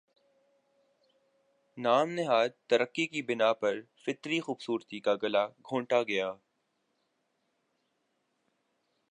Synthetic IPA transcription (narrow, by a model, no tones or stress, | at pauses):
naːmnɪɦaːd̪t̪ɐɾəqːikibɪnapɐɾ | fɪt̪ɾixuːbsuːɾt̪ikaɡɐlaɡʱõːɳʈaɡɐjaː